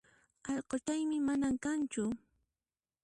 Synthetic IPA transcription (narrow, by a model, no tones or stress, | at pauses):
ɑʎqot͡ʃajmɪmanaŋkant͡ʃʊ